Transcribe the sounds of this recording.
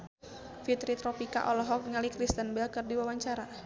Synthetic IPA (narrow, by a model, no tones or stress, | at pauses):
fit̪ɾit̪ɾɔpika̰ʔɔlɔɦɔk̚ŋalikɾist̪ənbɛlkɨrdiwawaɲt͡ʃaɾa